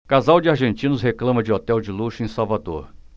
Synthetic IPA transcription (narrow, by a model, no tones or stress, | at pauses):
kazawd͡ʒɪaɾʒẽnt͡ʃĩnʊsɦeklɐ̃mɐd͡ʒɪot̪ɛwd͡ʒɪluʃʊẽsawvad̪oɾ